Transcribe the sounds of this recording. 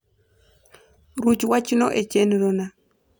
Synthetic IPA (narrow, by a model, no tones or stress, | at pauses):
ɾut͡ʃwat͡ʃinoʔet͡ʃenðona